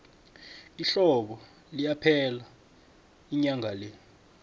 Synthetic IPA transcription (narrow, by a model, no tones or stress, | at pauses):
iɬɔɓɔ | lijapʰɛla | iɲaŋʱale